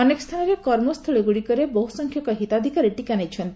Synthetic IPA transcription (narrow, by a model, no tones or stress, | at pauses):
ɔnekɔ̥st̪ʰanɔɾekɔɾmɔst̪ʰuɭɔɡuɽikɔɾebɔɦusɔŋkʰjɔkɔɦit̪ad̪ʱikaɾiʈikanajt͡ʃʰɔnt̪